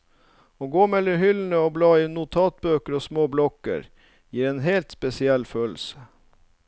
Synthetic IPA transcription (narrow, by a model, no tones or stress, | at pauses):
oːɡoːmɛlːəhʏln̩əoːblɑːɪnʊt̪ʰɑːt̪̚bøːkəɾoːsmoːblɔkə̰ɾ | jiːɾeːnɦeːlt̪spɛsɪɛlːføːl̩sə̥